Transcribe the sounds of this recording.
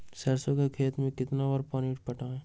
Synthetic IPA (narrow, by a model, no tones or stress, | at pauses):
sɛɾsokekʰeːt̪mẽkɪt̪naʋəːɾpɔːniːʈ̚pɐʈaɛː